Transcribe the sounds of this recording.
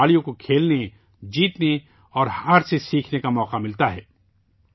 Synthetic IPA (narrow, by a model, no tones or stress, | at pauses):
aːlijõkokʰeːlne | d͡ʒiːt̪ne | ɔːɾhaːɾsesiːkʰnekamɔːqamɪlt̪aɦɛː